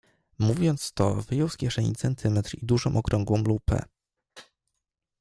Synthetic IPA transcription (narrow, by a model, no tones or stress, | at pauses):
muvʲjɔnt̪st̪ɔvɘjɔwskʲjɛʂɛɲit̪sɛnt̪ʰɘmɛt̪ɾid̪uʐɔ̃m̃ʔɔkɾɔŋɡwɔ̃mlupɛ̰